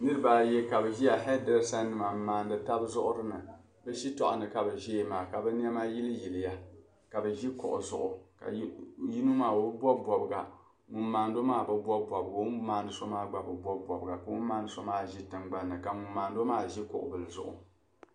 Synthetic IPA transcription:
nɨ˦ɾɨ˦baː˨jɛ˦ka˨bɛ˨ʒi˦ja˨ɦɛ˦dɛ˨lsa˦nːɨ˨ma˨maː˨ndɨ˨ta˦bzʊ˦ʔʊ˦ɾɨ˦nɨ˨ | bɛ˦ʃi˦tɔ˨ʔʊ̰˨nɨ˨ka˨bɛ˨ʒi˦jmaː˨ka˨bɛ˦ni˦ɛ˦maː˦ji˦lɨ˦ji˨lɪ˨ja˦ | ka˨bɛ˨ʒi˦kʊ̰˨ʔʊ̰˨zʊ̰˨ʔʊ˨ka̰˨ji˦nu˦maː˨wo˦bbʷɔ˦bʷɔ˨bɨ˨ɡa̰˨ | ŋu˨maː˨ndo˦maː˦bɨ˦bʷɔ˦bʷɔ˨bɨ˨ɡa˨˦maː˦˨nɨ˨so˦maː˦ɡ͡ba˨bɨ˨bʷɔ˦bɔ˨bɨ˨ɡa˨ka˨ŋu˦maː˦nɨ˨so˦maː˦ʒi˦tɨ˨ŋɡ͡ba˦nːɨ˨ka˨mu˨mːaː˨ndo˦maː˦ʒi˦kʊ̰˨ʔʊ̰˨bɨ˨lɨ˨zʊ̰˨ʔʊ̰˨

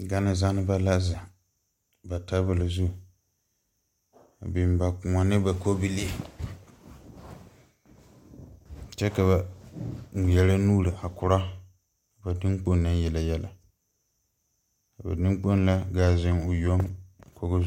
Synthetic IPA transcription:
ɡa˦nɪ˨za˦nɨ˦ba˦la˦za˨ | ba˨ta˦bɨ˨la˨zu˦˨ | bɪ˨m˨ba˨kʊ˨ŋa˨nɨ˦ba˨ko˦bi˦li˦a˨ | t͡ʃɛ˦ka˨βa˨ | ŋ˨jɛ˦la˦nuː˦ɾɨ˨ʔa˨kʊ˨ɾa˦ | a˨ba˨dɨ˦ŋk͡po˦nna˦n˦jɛ˨la˨jɛ˦la˨ | ka˨ba˨nɨ˦ŋ˦k͡po˦n˦la˦ɡaː˦zɪ˦ŋʊ˨jo˦mkʰo˦ɡʊ˦

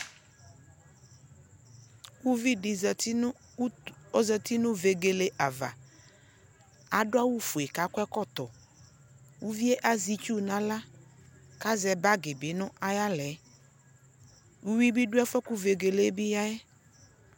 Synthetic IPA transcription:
u˦vi˦di˨˦ | ɔ˦zɛ˦t̪i˦nʊ̃˦ve˨ɡe˨le˨ʔa˨va̰˨ | a˨dʊ˦a˦wu˦fu˨e˨ka˨kʷɛ˦kɔ˦˨t̪ɔ˨ | wu˦vi˦e˦ʔa˨zi˨t͡ʃu˦nã˦la˦ | ka˦zɛ˨ba˦ɡɪ˨bɪ˨˦nʊ̃˦ʔa˦ja˦lɛ˨˦ | u˦wi˦bi˦dʊ˦ɛ˦fɔ˦ku˦ve˨ɡe˨le˦bi˦ja˦ɛ˦

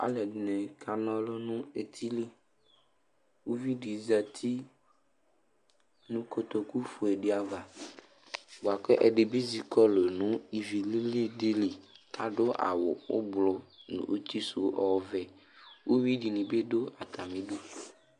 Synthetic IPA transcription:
a̰˨lɛ˨dnɛ̃˨kʰa˨nɔ̃˦lɔ˦nũ˦e˨t̪ʰi˦li˦ | wo˦vi˦ɖi˨˦za˨t̪ʰi˦ | nũ˦ko˦t̪o˨ku˦fu˨e˨ɖe˦a˨va˨ | wo˨a˨kɛ˦ʔɛ˨ɖe˨bi˦zi˨kɔ˦lo˨nũ˦i˨vi˨li˦li˦de˦li˨t̪a˨ɖo˦ʔa̰˨wo˨wo̰˦blɔ˦nṵ̃˨ʔo˦t̪i˦su˨˦ʔɔ˦˨vɛ˨ | wo˦wi˦ɖi˨nĩ˨be˦ɖo˦a˨t̪a˨mĩ˦ɖo˦

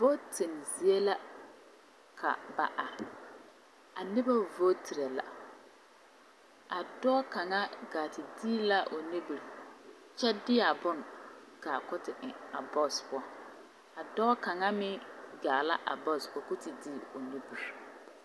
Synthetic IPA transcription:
vo˦tɪ˨nzi˨e˦la˦ | kʰa̰˨ba̰˨ʔa˨ | a˨nɪ˦ba˦vo˦tʰi˨ɾe˨la̰˨ | a˨dɔː˦ka˨ŋa˦ɡaː˨tɪ˨diː˦la˦ʔo˨ni˦bu˨ɾ | t͡ʃɛ˦dɪ˦a˨bʊ˦n | ka˨kʊ˦tɪ˨ʔɪ˨a˨bɔ˦˨spʊ˦ɔ˦ | a˨dɔː˦ka˨ŋa˦mɪ˦ɡaː˨la˦ʔa̰˨bɔ˦˨so˨ku˦ti˨diː˦o˨ni˦bu˨ɾ

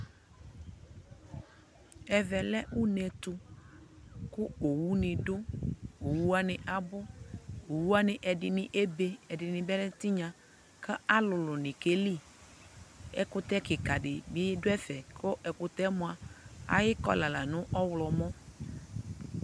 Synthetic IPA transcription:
ɛ˨vɛ˨lɛ˦ʔʊ˦nɛ˨t̪ʊ˦ | kʊ˦o˨wu˦nɪ̃˨dʊ˦o˨wu˦a˦nɪ˨ʔa˨bʊ˦o˨wu˦a˦nɪ˨ʔɛ˨dɪ˨nɪ˨ʔe˦be˦ɛ˨dɪ˨nɪ̃˨bɛ˦lɛ˦t̪ɪ˦ɲã˨ | ka˦a˦lʊ˨lʊ˨nɪ̃˨ke˦li˦ | ɛ̰˦kʊ˦t̪ɛ˦kɪ˨ka˨dɪ˨mɪ˨˦jdʊ˦ɛ˦fɛ˨kʰʊ˦ʔɛ˨kʊ˨t̪ɛ˦mʊ̃˨a˨a̰˨jɪ˦kɔ̰˦la˨la˨nʊ̃˦ʔɔ˦wlɔ˨mɔ̃˦

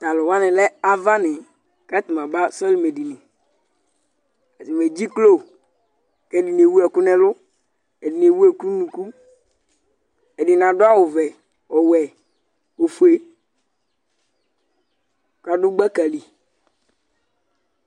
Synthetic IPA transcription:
t̪a˨lʊ˨wa˦nɪ̃˨lɛ˦a˦va˦nɪ˨ | ka˦t̪i˨mã˨ba˦sɔ˦li˦me˨di˨ni˨ | a˨ti˨me˨d͡ʒi˦klo˦˨ | kɛ˦di˨n˨e˨wu˦ɛ˨kʊ˦nɛ˦lʊ˦ | ɛ˨dɪ˨n˨e˨wu˦e˨ku˦nũ˨ku˦ | ɛ˨dɪ˨nã˨dʊ˦a˦wʊ˨vɛ˨ | ɔ˨wɛ˨ | o˨fu˨e˨ | ka˨dʊ˦ɡ͡ba˦ka˨li˨

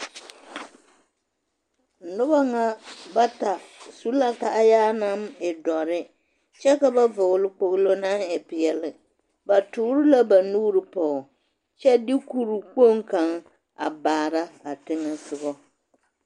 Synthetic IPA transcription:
nʊ˦ba˦ŋa˦ba˦ta˨su˦la˦ka˨ʔa˦jaː˦na˦mɪ˨dɔ˨ɾɪ˦ | t͡ʃɛ˦ka˦ba˦vʊ˨ɣlɪ˦k͡po˨ɣlo˦na˦ŋɛ˨pɪ˨jɛ˨lɪ˨ | ba˨tʊː˨˦ɾɪ˦la˦ba˨nuː˦ɾɨ˨pɔ˨ | t͡ʃɛ˦dɪ˦ku˦ɾu˨k͡po˦ŋka˨˦ŋ | a̰˨baː˨ɾa˦a˨tɪ˦nɨ˦sʊ˨ɣɔ˦

